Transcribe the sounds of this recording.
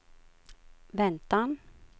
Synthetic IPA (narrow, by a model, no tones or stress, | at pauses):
vɛnt̪an